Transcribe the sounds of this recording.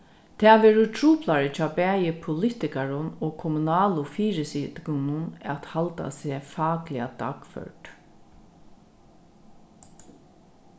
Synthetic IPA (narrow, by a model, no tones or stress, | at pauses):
t̪ʰɛːʋɛːɹʊt̪ʰɹuːplaɹət͡ʃʰɑːbæːjəpʰʊlɪt̪ɪkaɹʊnɔːɡkʰɔmunɑːlʊfiːɹɪsid̪kʊnʊnɛt̪halt̪a̰seːfɑːklɪad̪ɑːkfœ̰ɹʈ